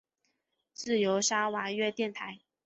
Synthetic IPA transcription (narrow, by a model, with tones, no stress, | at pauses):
t͡sɹ̩˥˩jo˧˥ʊʂa˥wa˧˥ɥɛ˥˧t̪jɛ˥˩nt̪ʰa˨˦ɪ